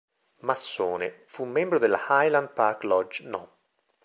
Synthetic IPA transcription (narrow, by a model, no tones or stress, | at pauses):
masːoːnefumːɛmbɾod̪elːa̰hajland̪̚parklɔd͡ʒnɔ